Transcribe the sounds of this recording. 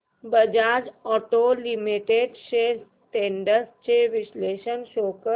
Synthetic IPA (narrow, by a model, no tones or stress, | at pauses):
bəd͡ʑad͡ʑɔʈolimiʈeɖɕes | ʈeɳɖəst͡ɕeʋisleɕənɕokə